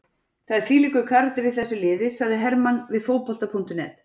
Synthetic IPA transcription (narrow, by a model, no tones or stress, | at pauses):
θaðɪɾ̥θiːlikʏkʰaɾt̪ɪɾɪ̥θɛsːʏlɪːðɪsaɣðɪɦɛɾmanvɪðfoːwpɔl̥t̪apʰun̥t̪ʏnɛ̰ːt̪